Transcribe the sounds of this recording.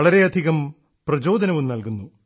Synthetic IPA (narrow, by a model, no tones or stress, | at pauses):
ɭɐɾe̞ɐd̪ʱiɣɐm | prɐd͡ʑo̞ːd̪ɐnɐʋumnɐlkunːu